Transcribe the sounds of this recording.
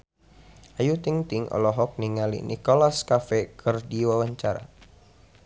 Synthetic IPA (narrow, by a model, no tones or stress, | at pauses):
ʔajut̪iŋt̪iŋɔ̰lɔɦɔk̚niŋalḭnʔikɔlaskafɛkʰɨrdiwawaɲt͡ʃaɾa̰